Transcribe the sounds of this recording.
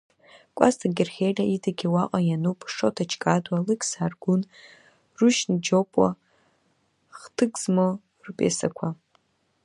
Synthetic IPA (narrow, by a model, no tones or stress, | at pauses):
kʷʼa̰stʰaɡʲɪrχʲejlʲaitʰaɡʲiwaqʼajanupʼʂotʰat͡ʃʰʼkʼadwalɨkʲʰʼsaːrɡʊn | ruʃnd͡ʒopʼwa̰ | χtʰɨɡʼzmo | rpʼḛsakʷʰa